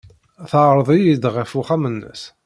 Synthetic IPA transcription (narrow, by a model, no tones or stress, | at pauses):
θəʕɾˤðˤijid̪ʁæfuχæmənːə̰s